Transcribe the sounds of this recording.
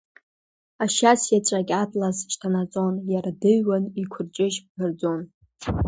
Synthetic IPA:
aʃasjat͡ʃʷʼakʲatʼlazt͡ʃʰtʰanat͡sʼonjardɨɥwanikʷʰʊrt͡ʃʼɪʃbbard͡zon

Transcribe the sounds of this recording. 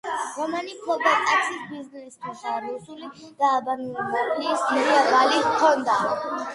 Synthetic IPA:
ɾɔmanikʰɔbat̪ʼat̪sʰisbiznɛst̪ʰɛsaɾusulid̪̥aːbanulɛbakʼiismɛɾiabalikʰɔnd̪a

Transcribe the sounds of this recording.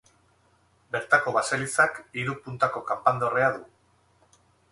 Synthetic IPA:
be̞ɾt̪ako̞βaselit͡sakiɾupunt̪ako̞kampand̪oreaðu

